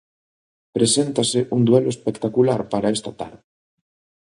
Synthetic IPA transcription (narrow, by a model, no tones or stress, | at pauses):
pɾesent̪asɪʔuŋd̪weloespekt̪akulaɾpaɾaest̪at̪a̰ɾðɪ